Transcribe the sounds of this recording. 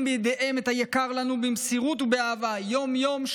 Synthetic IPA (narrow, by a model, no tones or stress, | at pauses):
mbejd̪eʔeme̞t̪hajakaʁlanubimsiʁut̪ubeavajo̞mjo̞mʃ